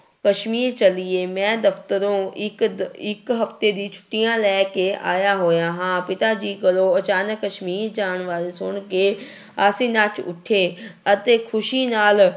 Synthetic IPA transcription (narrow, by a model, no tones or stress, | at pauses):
kɐʃmiːɾt͡ɕɐliemɛ̃ːd̪ɐft̪əɾõɪɪkɦɐft̪ed̪it͡ɕt͡ʃʰʊ̥ʈijãlɛːkeʔa̰ːjaɦoːjãɦãːpɪt̪ad͡ʑiːkɐloɐt͡ɕaːnəkːɐʃmiːɾd͡ʑaːɽ̃ʋaːɾesʊɽ̃ke | aːsĩnaːʈʰʊ̰ʈʰeɐt̪ekʰʊʃinaːl